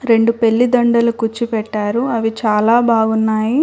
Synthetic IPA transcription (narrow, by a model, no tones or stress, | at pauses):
ɾe̞ɳɖupe̞ɭːid̪ɐɳɖɐlukut͡ʃːipɛʈːaːɾuɐʋit͡ʃaːlaːbʱaːɡunːaːji